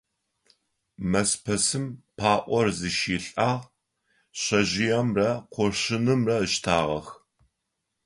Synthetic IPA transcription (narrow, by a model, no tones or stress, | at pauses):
mɐspʰɐsɨmpʰaːʔʷɔrzɨʃiːɬʼaːʁ | ɕɐʑɪjɐmrɐqʷɔɕɪnɨmrɐəʃtʰaːʁɐ̰x